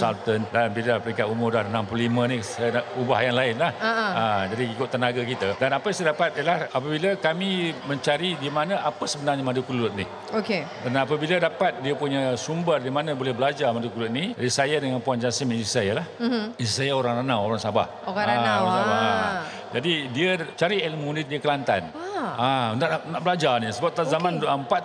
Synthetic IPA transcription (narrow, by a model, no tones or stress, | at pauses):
salt̪əndanbilapəɾiŋkat̪umʊrdahənampluulimə̃nisajnuba̰hjaŋlaɪnlahaəd͡ʒadiikʊt̪ːənaɡakit̪adanapaisadapat̪̚ijəlahapabilakamĩmə̃ɲt͡ʃaɾidimanãapəsəbənarɲamadukulʊt̪̚nih | oke | danapabilədapat̪̚diapuɲasumbərdimanãbolɛhbəlad͡ʒamadukulʊt̪̚nid͡ʒadisajadəŋanpuand͡ʒansɪmsajəlahisajaoɾaŋranawoɾaŋsaba̰h | oaasabaa | d͡ʒadidiət͡ʃaɾiɛləmũnidiəkəlant̪a̰n | anaʔnaʔbəlad͡ʒanisəbap̚t̪azamãndumpat̪̚